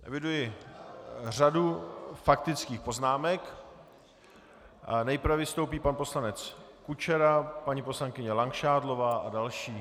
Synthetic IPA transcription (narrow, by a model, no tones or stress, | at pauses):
ʔɛ̰vɪdujɪ | r̝adufakt̪ɪt͡skiːxpo̞znaːmɛk | nɛjpɾvɛvɪst̪owpiːpanpo̞slanɛt͡s | kut͡ʃɛɾapaɲipo̞slaŋkɪɲɛlaŋkʃaːdlo̞vaːʔadalʃiː